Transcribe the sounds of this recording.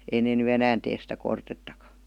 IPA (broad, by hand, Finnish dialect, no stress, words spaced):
ei neː ny enæːn teːs sitæ kortetːɑkɑ̥